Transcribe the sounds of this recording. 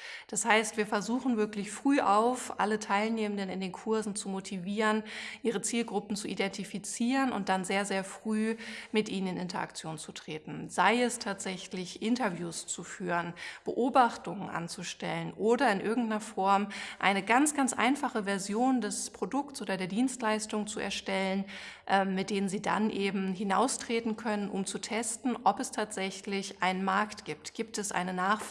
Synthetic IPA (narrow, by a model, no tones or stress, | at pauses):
d̥ashaɪstv̥iːɐfɛɐzuːχn̩vɪɐklɪçfʁ̥yːʔaʊfʔa̰lətʰaɪlneːmən̩dənɪndeːnkʰʊɐzn̩t͡sumotʰiviːʁənʔiːʁ̞ət͡siːlɡʁʊpn̩t͡suʔidɛntifit͡siːʁənʊ̰nt̚d̥anzeːɐzeːɐfʁ̥yːmɪtʔiːnənɪnʔɪntɐ̰ʔa̰kt͡sjoːnt͡sutʁ̥eːtn̩zaɪɛstʰaːtz̥ɛçlɪçʔɪntɐvjuːst͡sufyːʁənb̥ə̰ʔoːbaχtʊŋənʔa̰nt͡suʃtɛlənʔoːdɐɪnʔɪɐɡŋ̩tnɐfɔɐmʔa̰ɪnəɡant͡sɡ̥ant͡sʔa̰ɪnfaχəvɛɐzjoːndɛspʁ̥odʊktt͡sʔoːdɐdeːɐdiːnstlaɪstʊŋt͡suɛ̰ɐʃtɛlən | ʔɛmmːɪt̚d̥eːnənziːda̰nʔeːbm̩ɦɪnaʊstʁ̥eːtn̩kʰœnənʔʊ̰mt͡sutʰɛstn̩ʔɔpɛstʰaːtz̥ɛçlɪçʔaɪnənmaɐktɡ̥iːp̚tɡ̥iːp̚tɛsʔa̰ɪnənaːχ